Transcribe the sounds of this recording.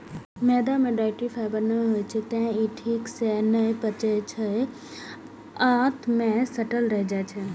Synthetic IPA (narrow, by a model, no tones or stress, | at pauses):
mɛːd̪amẽɖaːɪʈifɛːbəɾnəɦoːet͡ʃʰit̪ɛ̃iːʈʰiːksenəepət͡ʃet͡ʃʰə | at̪ʰmẽsɐʈəlɾəɦd͡ʒaːt͡ʃʰe